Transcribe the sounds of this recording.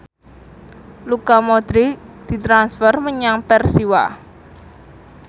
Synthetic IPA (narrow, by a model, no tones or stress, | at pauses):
lukamɔd̪̥ɾid̪̥i̤t̪ɾansfərməɲaŋpɛrsiwa̰